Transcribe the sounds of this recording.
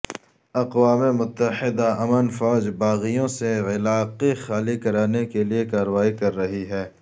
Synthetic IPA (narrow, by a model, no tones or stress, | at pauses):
ɐqwaːmemʊt̪ːəɪd̪aɐmənfɔːd͡ʒbaːɣijõseɪlaːqixaːlikɐɾaːnekeliekaːɾəʋaːikɐɾːɐɦiɦɛː